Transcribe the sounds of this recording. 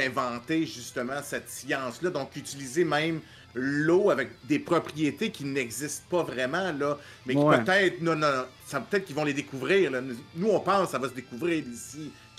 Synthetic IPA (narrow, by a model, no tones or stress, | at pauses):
ɛ̃vɑ̃t̪eʒyst̪əmɑ̃sɛt̪sjɑ̃slʌd̪ɔ̃kyt̪ilizemɛ̃m | loavɛk̚d̪epχɔpʁijet̪ekʲinɛɡzist̪̚pʌvʁɛmãlɔ | mɛkʲipøt̪ɛɪt̪χnɔ̃nɔ̃nɔ̃ | sapøt̪ɛt̪̚kivɔ̃led̪ekuvʁiːʁlɔnnuɔ̃pɑ̃ːsːavʌsəd̪ekuvʁiːʁisi